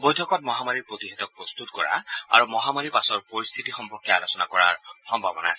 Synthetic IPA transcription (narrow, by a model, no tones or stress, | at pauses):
bojtʰɔkɔt̚mɔɦamaɹipɹot̪iɦɛt̪ɔk̚pɹɔst̪utkɔɹa̰a̰ɹumɔɦamaɹipasɔɹpoɹist̪ʰitixɔmpɔɹkʰːjɛalosɔnakɔɹa̰ɹxɔmbʱabɔnaːsɛ